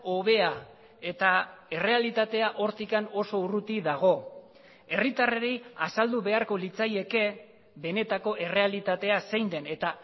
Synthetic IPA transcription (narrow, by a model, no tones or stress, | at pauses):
o̞βe̞a | e̞t̪ae̞re̞alit̪at̪e̞aʔo̞ɾt̪ikano̞so̞urut̪iðaɣ̞o̞ | e̞rit̪areɾejasald̪uβe̞aɾko̞lit͡saje̞ke̞ | βe̞ne̞t̪ako̞ʔe̞re̞alit̪at̪e̞asejnd̪e̞ne̞t̪a